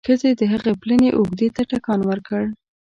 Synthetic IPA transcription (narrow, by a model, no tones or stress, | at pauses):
xəzed̪əɦəɣepləneʔʊɡd̪et̪aʈakɑnwəɾkəɽ